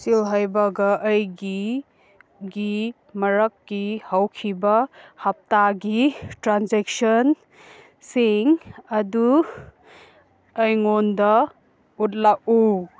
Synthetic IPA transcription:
silɦajbɐɡɐʔːjɡi | ɡi | mɐɾɐkːihawkʰibɐhɐp̚taɡitɾanzek̚sɐn | siŋɐdu | ɐjŋondɐ | ut̚lak̚u

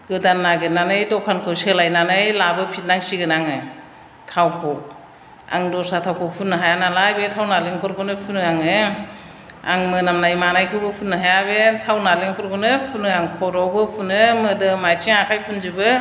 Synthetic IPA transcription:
ɡɯdanːaɡɯnanɯjdɔkʰankʰɯselajnanɯjlabɯpʰit̚naŋsiɡɯnaŋɯ | tʰawkʰɔ | a̰ŋdɔsatʰawkʰɯpʰunːɯɦajanalajbetʰawnaleŋkʰɔɾɡɯnɯpʰunɯaŋɯ | a̰ŋmɯnamnajmanajkʰɯwbɯpʰunːɯɦajabetʰawnaleŋkʰɔɾɡɔnɯpʰunɯaŋkʰɔɾɔbɯpʰunɯmɯdɯmajtʰiŋakʰajpʰunzɯbɯ

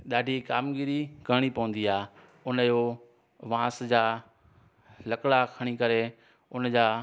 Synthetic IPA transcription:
ɗaːɖʱikaːmɡiɾiɡʱɐɽ̃ipɐʋə̃n̆d̪iaː | ʊnəjo | ʋãːsd͡ʑaː | lɐklakʰɐɽ̃ikɐɾe | ʊnd͡ʑaː

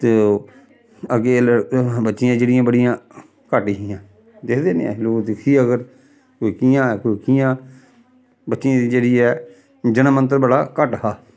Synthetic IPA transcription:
t̪eː | əɡeːləbətːʃɪjãːd͡ʒeːɽɪjãːbəɽijãː | kəʈiɦiːãː | d̪ɪkʰd̪eːnḛ̃a̰loːkd̪ɪkʰiːəɡəɾ | koikijãːkːkijãː | bətːʃɪjãːd̪iːd͡ʒeːɽiːɛː | d͡ʒənəmə̃nt̪̬əɾbəɽaːkəʈhaː

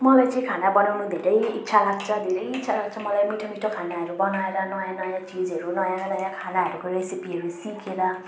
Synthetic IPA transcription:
mɔlajt͡saĩkʰanabɔnawnud̪ʱiɾejitːsʰalaɡ̚t͡sʰʌd̪ʱiɾʌjitːsʰalaɡ̚t͡sʰʌmɔlajmiʈʰomiʈʰokʰanaɦʌɾubɔnaelanɔjãnɔjãt͡ʃid͡zɦʌɾunɔjãnɔjãkʰanaɦʌɾukoɾesipiɦʌɾusikʰela

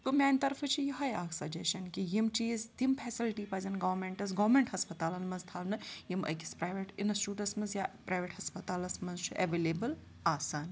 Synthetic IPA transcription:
t̪umʲaːnʲt̪ɐɾfʰɨt͡ʃʰijiɦɐjaːkʰsɐd͡ʒeʃɐnkijimt͡ʃiːzt̪impʰɛːsilʈipɐzɐnɡɐʋmeɳʈɐs̬ɡɐʋmeɳʈhɐspɐt̪aːlɐnmɐnzt̪ʰaːlnɨjimɐ̰ki̥spɾaːjʋeʈinɐsʈuːʈɐsmɐnzjapɾaːjʋeʈhɐspɐt̪aːlɐsmɐnzt͡ʃʰuʔɐʋeːleːbɨl | aːsaːn

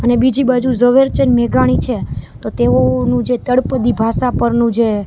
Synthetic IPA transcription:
ənebid͡ʒibad͡ʒuzəʋeɾt͡ʃənmɛɡaɽ̃it͡ʃʰet̪ot̪eonũd͡ʒet̪əɽpəd̪ibʱasapəɾnũd͡ʒe

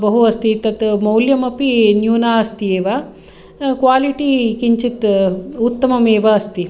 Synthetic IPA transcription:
bɐɦuɐst̪it̪ɐt̪mɐwljɐmɐpinjuːnaːɐst̪ieːʋaː | kʋaːliʈikiɲt͡ʃit̪ut̪ːɐmɐmeːʋɐːst̪i

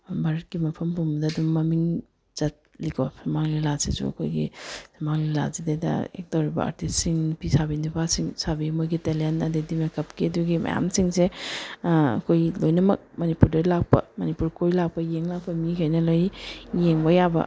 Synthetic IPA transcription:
bɐɾt̚kɡimɐpʰɐmbumdɐdumːɐmiŋ | z̥ɐt̚likʰɔsɐmaŋlilasesṵɐ̰kʰo̰jɡḭsɐmaŋlila̰zidejdɐ̰ḛk̚tawɾibɐ̰a̰ɾtissiŋpisabindipʰasiŋsabimojɡitelentɐdedimekʰɐpkiɐduɡimɐ̰ja̰msiŋse | ɐ̰kʰojlojnɐmɐk̚mɐnipuɾdɐlak̚pɐ̰mɐnipuɾkʰojlak̚pɐjeŋlak̚pɐmikʰajnɐlojjeŋbɐjabɐ̰

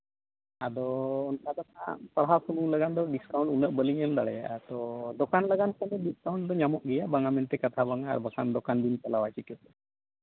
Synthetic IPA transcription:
ad̪ɔɔnkad̪ɔma̰paɽɦasumuŋləɡand̪ɔɖiskaw̃ɳʈunəʔ̚bəliŋɛmd̪aɽɛja̰ʔt̪ɔd̪ɔkanləɡankʰɔnɛɖiskawɳʈd̪ɔɲamɔʔɡɛjaʔbaŋamɛnt̪ɛkat̪ʰabaŋa̰ːɾbakʰand̪ɔkand̪inpalawat͡ʃikɔʔɛ

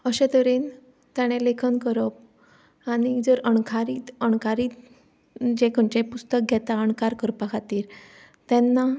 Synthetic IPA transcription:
əɕet̪əɾen | t̪jaɽ̃ẽlekʰənkəɾəp̚ | aɽ̃id͡zəɾəɳkʰaɾiːt̪əɳ̃kaɾiːt̪ | d͡ʑekʰəɳt͡ɕepust̪ək̚ɡʱɛt̪aəɳkaɾkəɾpakʰat̪iːɾ | t̪ɛ̃nːa

